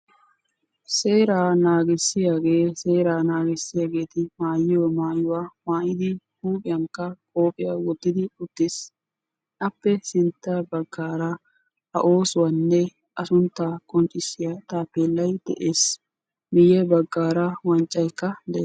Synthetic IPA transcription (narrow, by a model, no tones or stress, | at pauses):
seːɾaːnaːɡɪsːɪjaɡe̞ːse̞ːɾaːnaːɡɪsːɪjaːɡe̞ːt̪ɪmaːjɪjɔmaːjʊwaːmaːjɪd̪ɪhuːpʼɪjɐŋkːɐkʼoːpʼɪjaːwɔd̪ːɪd̪ɪʊt̪ːɪs | ʔɐpːɛsɪnt̪ːɐbɐɡːaːɾɐ | hɐ̰ʔo̞ːsʊwɐnːɛ | ʔɐsʊnt̪ːaːkʼɔnt͡ʃʼːɪsːɪjɐt̪aːpeːlːɐjd̪̥ɛ̰ʔeːs | mɪjɛbɐɡːaːɾɐwɐnt͡ʃʼːɐjkːɐd̪ɛː